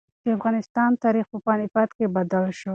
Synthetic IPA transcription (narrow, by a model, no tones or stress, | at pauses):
d̪̥əafɣɑnɪst̪ɑnt̪ɑɾixpəpɑnɪfɑt̪kebad̪alʃəw